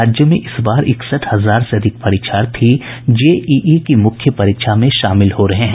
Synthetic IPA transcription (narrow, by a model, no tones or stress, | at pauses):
aːd͡ʒjəmẽʔɪsbaːɾɪksəʈhɐzaːɾseɐd̪ʱɪk̚pɐɾiːkʃʰaːɾt̪ʰi | d͡ʒeːiːʔiːkimʊkʰjəpɐɾiːkʃamẽʃaːmɪlhoɾɐɦeɦɛ̃